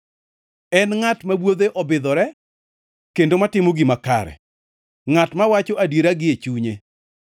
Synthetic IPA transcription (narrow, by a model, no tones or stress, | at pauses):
ɛnŋatmabwod̪eʔɔbɪd̪ɔɾɛ | kendomatɪmoɡimaka̰ɾɛ̰ | ŋatmawat͡ʃɔʔadiɾaɡɪet͡ʃuɲe